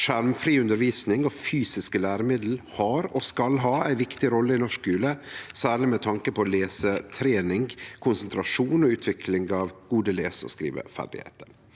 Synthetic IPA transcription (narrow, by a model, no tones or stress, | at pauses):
ʂæɾmfɾiːʉnd̪əɾʋiːsnɪŋɔfyːsɪskəlæːɾəmɪd̪l̩hɑɾɔskɑlɦɑːæɪʋɪkt̪ɪɾɔlːəɪnɔʂkʉːləsæːɾɭɪmɛt̪ʰɑŋkəpʰɔleːsət̪ʰɾeːnɪŋkʰʊnsənt̪ɾɑʂuːnɔʉːt̪ʰʋɪkʰlɪŋɡɑʋɡ̥uːd̪əleːsəɔ̰skɾḭːʋə̰fæ̰ɖɪ̰hḛːt̪əɾ